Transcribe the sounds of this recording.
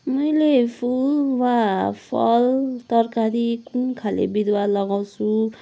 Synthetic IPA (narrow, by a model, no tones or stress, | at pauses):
mʌjlepʰulwapʰʌ̰lt̪ʌrkaɾikunkʰalḛbid̪walʌɡaw̃t͡sʰu